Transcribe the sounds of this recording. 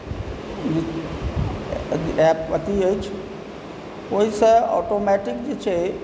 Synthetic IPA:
ɛpʋət̪iojt͡ʃʰ | oisəɔ̰ːʈomɛʈɪkd͡ʒet͡ʃʰe

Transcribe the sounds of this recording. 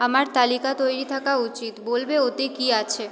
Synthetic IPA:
amaɾt̪alikat̪ojɾit̪ʰakaut͡ɕit̪bolbeot̪ekiat͡ɕʰe

